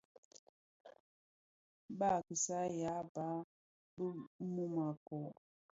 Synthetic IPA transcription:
ba˦˨ki˨sa˦ja˨˦ba˨˦ | bə˦mu˦ma˨kɔ˨

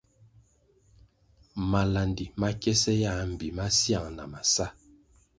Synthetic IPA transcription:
ma˨la˨ndi˨ma˦kɛ˦sɛ˦ja˦m̩˨bi˨ma˦sja˦˨ŋna̰˨ma˨sa˦

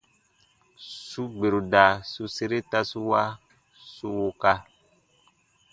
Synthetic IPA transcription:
su˦ɡ͡be˨ɾu˨da˨su˦se˦ɾe˦ta˦su˦wa˦ | su˦wo˧ka˧

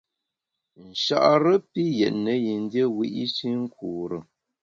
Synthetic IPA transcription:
n̩˨ʃa̰˨ʔɾə˦pi˦jɛ˨ʔnə˨˦ji˨n˦dje˦wi˦ʔi˦t͡ʃi˦ŋ̩˦kʰuː˨ɾə˨

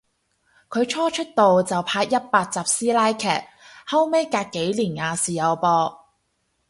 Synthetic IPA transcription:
kʰɵ˨˧ɥt͡ʃʰɔː˥t͡ʃʰɵ˥t̚t̪o˨wt͡sɐ˨wpʰaː˧k̚jɐ˥t̚paː˧k̚t͡saː˨˩p̚siː˥laː˥jkʰɛ̰ː˨˩t̚hɐ˥wme˥jkaː˧kkːe˨˥jliː˨˩nŋaː˨˧siː˨jɐ˨˧wpɔː˧

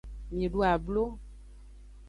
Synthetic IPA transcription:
mĩ˨e˨ɖu˦a˨blo˦

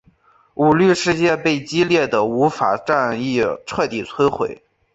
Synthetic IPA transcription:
u˨˩ly˥˧ʂɻ̩˥˧t͡ɕjɛ˥˧pe˥˩ɪt͡ɕi˥ljɛ˥˩d̪ə˩u˧˥fa̰˨˩ʈ͡ʂa˥˧ni˥˩ʈ͡ʂʰɤ˥˧t̪i˨˩t͡sʰwe˥ɪxwḛ˧˥ɪ

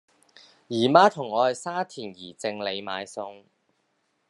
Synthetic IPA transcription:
jiː˨˩maː˥t̪ʰʊ˨˩ŋːɔː˨˧hɐ˨jsaː˥t̪ʰiː˨˩njiː˨˩t͡sɪ˧ŋle˨˧jma̰ː˨˧jsʊ˧ŋ

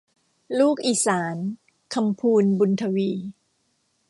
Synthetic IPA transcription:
luː˥˩k̚ʔiː˨˩saː˩˦n | kʰa˧mpʰuː˧nbu˧nt̪ʰa˧wiː˧

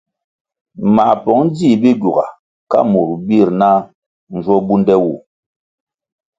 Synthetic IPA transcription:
ma˨pɔ˨˦ŋ˦d͡zi˦˨bi˦ɡu˨ɡa̰˨ | ka̰˦mu˨ɾbi˦˨ɾna˦ | n̩˨d͡ʒwɔ˦bu˦ndɛ˦wu˦˨

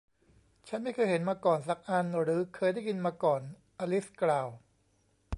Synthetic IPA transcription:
t͡ɕʰa˦˥nma˥˩jkʰːjɦe˩˦nmaː˧kɔː˨˩ns̬a˨˦˩k̚ʔa˧nɾɯː˨˩˦kʰɤː˧jda˥˩jki˧nmaː˧kɔː˨˩n | ʔaː˧li˦˥sklaː˨˩w

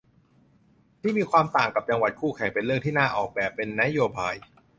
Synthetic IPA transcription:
t̪ʰiː˥˩miː˧kʰwaː˧mt̪aː˨˩ŋka˨˩p̚t͡ɕa˧ŋwa˨˩t̪̚kʰuː˥˩kʰɛ˨˩˦ŋpe˧nɾɯ˥˩əŋt̪ʰiː˥˩naː˥˩ʔɔː˨˩k̚bɛː˨˩pːe˧nːa˦˥joː˧baː˧j

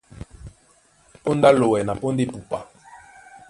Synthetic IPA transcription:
po˦nda˦lo˨wɛ˨na˨po˦nde˦pu˨pa˨

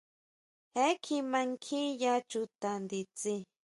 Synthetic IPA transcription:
he˦kʰi˧mã˧ŋkʰĩ˦ja˦t͡ʃu˧t̪a˨nd̪i˧t͡si˧

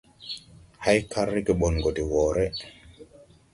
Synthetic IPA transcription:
ha˦jkʰaɾːi˦kɛɓɔ˨nɡo˨di˨wɔː˨ɾɛ

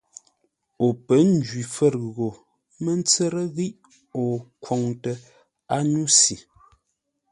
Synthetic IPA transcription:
o˨pə˨˦n̩˦d͡ʒɥi˨fə˦˨ɾɣɣo˨ | mə˦n̩˦t͡sə˦ɾə˦ɣi˦ʔ | ɔ˨kwɔ˨ŋtə˨ | a˦nu˦si˨

